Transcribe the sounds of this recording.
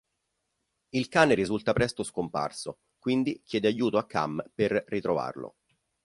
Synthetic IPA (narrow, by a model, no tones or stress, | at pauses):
ilkaːneɾizult̪apɾɛst̪oskompa̰rso | kwind̪ik̟jɛːd̪eajːuːt̪oakʰːa̰mperːit̪ɾova̰rlo̰